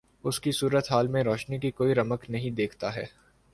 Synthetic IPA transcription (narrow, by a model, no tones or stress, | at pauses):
ʊskisuːɾət̪ɦaːlmẽɾoːʃnikikoːiɾɐməknɐɦĩd̪eːkʰt̪aɦɛː